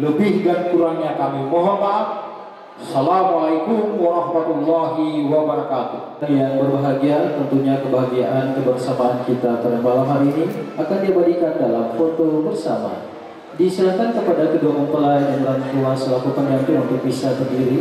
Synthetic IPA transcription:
ləbɪhɡant̪uɾaŋɲakamimoɦɔmat̚ | salamualaikʊmwaɾɑhmat̪ulːaɦiwabəɾakat̪u | njaŋbərbaɦaɡiat̪ənt̪uɲakəbaɦaɡiaʔankəbaŋsamaankit̪ap̪adambalamɦaɾiːniakandiəbadikandalamfot̪obərsa̰ma̰ | disiakankəpadakədokɔŋpəlajdanbəɾant̪uansəlakut̪ənjaŋkɪlaunt̪ʊk̚bisasəndiɾi

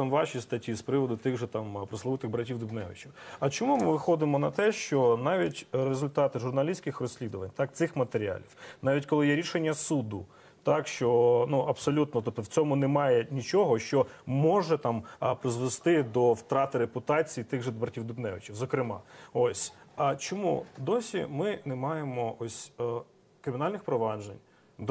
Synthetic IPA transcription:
t̪ɑmʋɑʃist̪ɐtʲispɾɪʋɔd̪ʊt̪ɪɣʒɛt̪ɑmpɾɔslˠɐʋɪt̪ɪɣbɾɐtʲiwd̪ʊbnɛʋɪ̰t͡ʃiwɐt͡ʃɔmumɪʋɪxɔd̪ɪmɔnɐt̪ɛʃt͡ʃɔnɑʋʲitʲrezʊlʲt̪ɑt̪ɪʒʊrnɐlʲisʲkɪxrɔsʲlʲid̪ʊʋɐnʲt̪ɑk̚t̪sɪxmɐt̪eɾʲiɑ̰lʲiwnɑʋʲitʲkɔlˠɪjɛɾʲiʃenʲːɐsud̪ʊ | t̪ɑkʃt͡ʃɔnuɐbsɔlʲut̪nɔt̪ɔp̚t̪ɔwt͡sʲɔmʊnemɑjɛnʲit͡ʃɔɦɔʃt͡ʃɔmɔʒɛt̪ɑmpɾɪzʋest̪ɪd̪ɔwt̪ɾɑt̪ɪɾepʊt̪ɑt͡sʲijit̪ɪɣʒɛd̪bɐrtʲiwd̪ʊbnɛʋɪt͡ʃiwzɔkɾɪmɑ̰osʲt͡ʃɔmṵd̪ɔsʲḭmɪnemɑjemɔɔsʲ | kɾɪmʲɪnɑlʲnɪxpɾɔʋɑd͡ʒḛnʲ | d̪

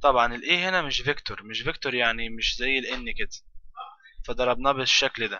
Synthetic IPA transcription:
t̪ˤɑbʕɑnɪlʔeːɦɪnamɪʃvɪkt̪oɾmɪʃvɪkt̪oɾjaʕnimɪʃzajːɪlʔɪnːikɪd̪ | fad̪ɑɾˤɑbnɑbɪʃːakld̪a

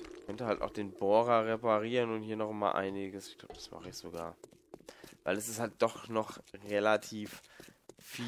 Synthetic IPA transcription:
kʰœntəhaltaʊxd̥eːnboːʁɐʁepaʁiːʁənʊnthiːɐnɔχma̰ːlʔa̰ɪnɪɡəsɪ̥çɡ̥laʊbəd̥ḁsma̰ːχəɪçz̥oɡa̰ːɐ | vaɪlɛsɪsthalt̚d̥ɔχnɔχʁelatʰiːf | fiː

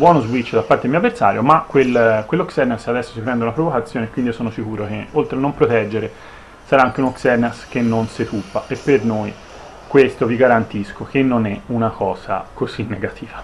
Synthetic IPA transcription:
bwɔːnozbwit͡ʃːd̪apːaɾt̪edelmiːavːersa̰ːɾjomakwelkːwelːoksɛrnesad̪ɛsːo̥sipɾɛnd̪eunapɾovokat̪sːjoːnekːwind̪iosoːnosikuːɾok̟eolt̪ɾeanːompɾot̪ɛd͡ʒːeɾe | saɾaaŋk̟eunoksɛrnesk̟enːonset̪upːaʔepːernoj | kwest̪oviɡaɾant̪iskok̟enːonɛunakɔːza̰kʰozinːeɡat̪ʰiːva

